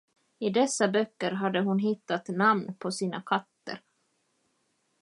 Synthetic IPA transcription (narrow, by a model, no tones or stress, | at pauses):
ɪd̪ɛsːabœkːəɾɦad̪ːəɦʊnɦɪt̪ːat̪namnpʰɔsiːnakʰat̪ːə̰ɾ